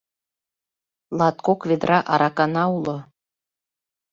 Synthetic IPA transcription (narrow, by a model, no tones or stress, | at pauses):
lˠɑt̪kokved̪ɾʔɑʔɑɾɑkɑnɑulŏ